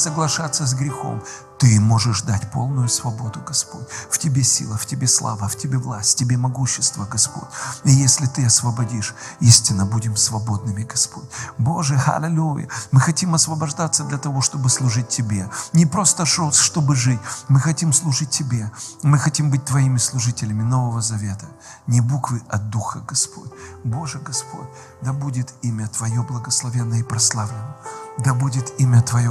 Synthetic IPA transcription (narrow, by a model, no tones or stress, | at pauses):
səɡlˠɐʂat̪sːəz̬ɡɾʲɪxo̞̰m | t̪ɨmo̞ʐɨʂd̪atʲpo̞̰lˠnʊjʊsvɐbo̞d̪ʊɡɐspo̞̰t̚ʲftʲɪbʲesʲḭlˠəftʲɪbʲe̞slˠa̰vəftʲɪbʲevlˠasʲtʲtʲɪbʲemɐɡuɕːɪst̪vəɡɐspo̞̰t̚ʲɪjesʲlʲɪt̪ɨɐsvəbɐdʲiʂisʲtʲɪnːəbudʲɪmsvɐbo̞d̪nɨmʲɪɡɐspo̞tʲbo̞ʐɨxɐ̰lʲɪlʲujə̰mɨxɐtʲimɐsvəbɐʐd̪at̪sːəd̪lʲɐt̪ɐvo̞ʂt̪o̞bɨslˠʊʐɨt̚ʲtʲːɪbʲenʲɪpɾo̞st̪əʂoʂt̪o̞bɨʐɨtʲmɨxɐtʲimslˠʊʐɨt̚ʲtʲːɪbʲe̞mɨxɐtʲimbɨt̚ʲt̪vɐimʲɪslˠʊʐɨtʲɪlʲɪmʲɪno̞vəvəzɐvʲet̪ə̥ | nʲɪbukvɨʔɐt̪̚d̪uxəɡɐspʰo̞̰tʲbo̞ʐɨɡɐspʰo̞̰tʲ | d̪abudʲɪt̪imʲət̪vɐjoblˠəɡəslˠɐvʲenːəipɾɐslˠavlʲɪnəd̪abudʲɪt̪imʲət̪vɐjo